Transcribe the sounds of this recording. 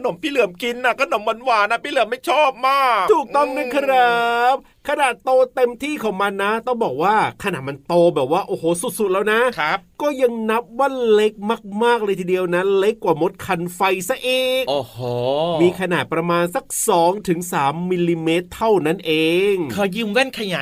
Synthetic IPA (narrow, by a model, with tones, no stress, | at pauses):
a˧no˨˩˦mpʰiː˥˩lɯ˨˩˦əmki˧nʔa˨˩kʰa˧no˩˦mːwa˧nwaː˨˩na˦˧˥pʰiː˥˩lɯ˨˩˦əmːa˥˩jt͡ɕʰɔː˥˩p̚maː˥˩kt̪ʰuː˨˩k̚t̪ɔ˥˩ŋna˦˥˩kʰa˧ɾa˦˩p̚ | kʰa˧naː˨˩t̪ːoː˧t̪e˧mt̪ʰiː˥˩kʰɔː˩˦ŋma˧nːa˦˥t̪ɔ˥˩ŋbɔː˨˩k̚waː˥˩kʰa˧naː˨˩t̪ma˧nt̪oː˧bɛː˨˩p̚waː˥˩ʔoː˨˩hoː˨˩˦su˨˩t̪̚su˨˩lɛː˦˥wna˦˥a˦˥kɔː˥˩ja˧ŋna˦˥p̚wa˥˩nle˦˥k̚maː˥˩k̚maː˥˩k̚laː˧jt̪ʰiː˧di˧əwna˦˥le˦˥kkːwaː˨˩mo˦˥t̪̚kʰa˧nfa˧jsa˧˥˩ʔeː˧˩kʔoː˨˩hoː˩˦miː˧kʰa˧naː˨˩t̪̚pɾa˧maː˧nsa˨˩k̚sɔː˩˦ŋt̪ʰɯ˩˦ŋsaː˩˦mːi˧li˧meː˦˥t̪ʰːa˥˩wna˥˩nʔeː˧ŋkʰaː˧jɯː˧˥˩mwɛ˥˩nkʰa˧jaː˨˦